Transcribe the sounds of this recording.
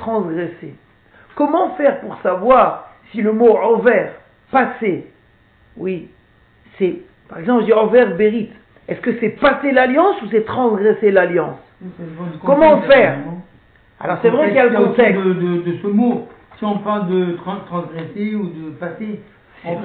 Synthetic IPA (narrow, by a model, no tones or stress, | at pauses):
t̪χɑ̃sɡʁɛse | kɔmɑ̃fɛʁpuʁsavwaʁsiləmoɔvɛʁ | pase | wi | sɛ | paʁɛɡzɑ̃plʒəd̪iɔvɛʁbeʁit̪ | ɛskəsɛpaselaljɑ̃susɛt̪χɑ̃sɡʁɛselaljɑ̃s | kkɔmɑ̃fɛʁ | a̰lɔʁsɛvʁɛkiljaləkɔ̃t̪ɛkd̪əd̪əd̪əsəmo | siɔ̃pɛ̃d̪ət̪χɑ̃t̪χɑ̃sɡʁeseud̪əpase | ɔ̃